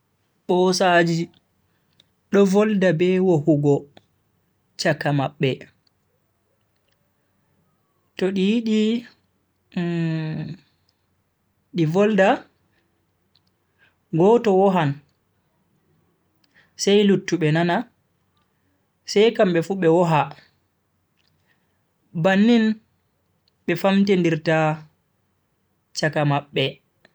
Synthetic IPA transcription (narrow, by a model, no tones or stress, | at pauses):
ɓɔsad͡ʒi | ɗɔvɔldabɛwohuɡɔ | t͡ʃakːamaɓːɛ | tɔɗijiɗi | ɗivɔlda | ɡɔtɔwɔɦan | sajlutːuɓɛnana | sɛjkamɓɛfuɓɛwɔɦa | banːin | ɓɛfamtendiɾta | t͡ʃakamaɓːɛ